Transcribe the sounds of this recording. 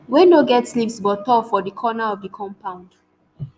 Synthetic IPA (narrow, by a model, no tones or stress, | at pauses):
wendoɡɛtslipsbɔtɔfɔdəkʰɔnaɔvdəkʰɔ̃mpãʊ̃nd̥